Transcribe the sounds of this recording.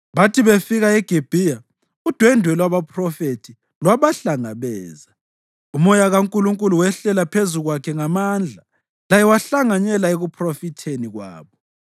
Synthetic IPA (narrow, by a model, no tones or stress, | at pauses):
βatʰiβefiɣaɛɡ̥ʱeb̥ʱija | ud̥ʱwɛndʱwɛlwaβapʰʼrɔfetʰi | lwaβaɬaŋaβɛːza | umɔjaɣaŋkʼuluŋkʼuluwɛɬɛlapʰezuɣwakʰɛŋamand͡ɮʱa | lajɛwaɬaŋaɲɛlaeɣupʰrɔfitʰeniɣwa̰ːβɔ